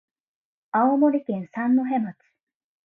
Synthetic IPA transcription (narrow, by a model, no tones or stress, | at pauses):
aomoɾʲikẽɰ̃sãnːoɦẽ̞mat͡sɨ̥